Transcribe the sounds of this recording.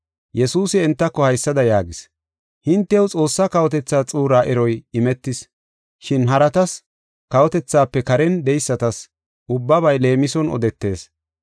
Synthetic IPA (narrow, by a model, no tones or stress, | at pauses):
jɛsuːsɪɛnt̪ːɐkːɔhɐjsːɐd̪ɐjaːɡɪs | hɪnt̪ːɛwt͡sʼo̞ːsːɐkɐwɔt̪ɛt͡sːaːt͡sʼuːɾaːʔɛɾɔjɪmɛt̪ːɪs | ʃɪnɦɐɾɐt̪ɐs | kɐwɔt̪ɛt͡sːaːpːɛkɐɾɛnd̪ɛjsːɐt̪ɐs | ʔʊbːɐbɐjle̞ːmɪsɔnɔ̰d̪ɛt̪ːe̞ːs